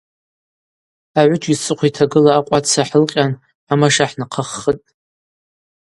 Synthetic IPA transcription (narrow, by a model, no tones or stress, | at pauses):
aʕʷʊt͡ʃʼisɨqʷʰitʰaɡɨlaːqʷʼat͡sʰaħəlqʲʼan | amaʂaħnaqʰəχːətʼ